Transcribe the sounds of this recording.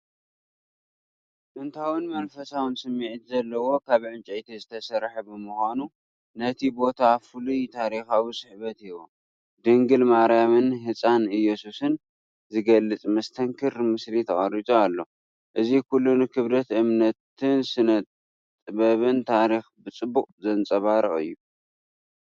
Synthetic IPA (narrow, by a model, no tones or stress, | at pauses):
t̪ʼɨnt̪ʰawɨnmɐnfɐsawɨnsɨmːiʕt̪zɐlːɐwo̞kʰaβʕɨnt͡ʃʼɐt̪ʰezɨt̪ʰɐsɐɾħɐbɨmuxanu | nɐt̪ʰibo̞t̪ʰafulujt̪ʰaɾixawisɨħβɐt̪iwo̰ | d̪ɨŋɡɨlmaʔɾijamɨnɦɨt͡sʼanɨjːɛsusɨn | zɨɡɐlːɨt͡sʼmɐst̪ʰɐŋkʰɨɾmɨslit̪ʰɐχʼɐɾizʼoalːo̞ | ʔɨzikulːunukʰɨβlɐt̪ʔɨmnɐt̪ːɨnsɨnɐt̪ | t̪ʼɨβɐβɨnt̪ʰaɾixbɨt͡sʼɨbːukʼzɐnt͡sʼɐβaɾɨʔɨ̰jːu